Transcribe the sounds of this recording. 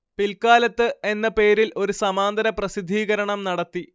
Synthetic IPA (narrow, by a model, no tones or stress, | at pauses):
pilkaːlɐt̪ːɨe̞nːɐpe̞ːɾilʔo̞ɾusɐmaːnd̪ɐɾɐprɐsid̪ʱːiːɣɐɾɐɳɐmnɐɽɐt̪ːi